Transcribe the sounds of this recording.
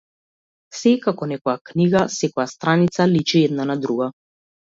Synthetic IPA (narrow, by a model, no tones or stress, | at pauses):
sɛkakɔnɛkɔjakniɡasɛkɔjast̪ɾanit̪salit͡ʃiɛd̪nanad̪ɾuɡa